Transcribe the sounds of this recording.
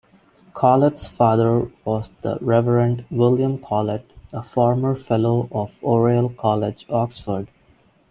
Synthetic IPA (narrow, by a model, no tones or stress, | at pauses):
kʰɔlɪʈsfaːd̪əɾʋɔːzd̪ə̰ɾɛʋəɾə̃ɳʈʋɪljə̃mkʰɔːləʈəfɔːɾməɾfɛloːʔɔfoːɾiəlkʰɔlɪd͡ʒɔksfəɾɖ